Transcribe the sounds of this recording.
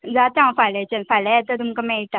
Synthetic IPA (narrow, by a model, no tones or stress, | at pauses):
d͡zat̪ãfalet͡ɕənfalajɛt̪ət̪umkamɛ̃it̪a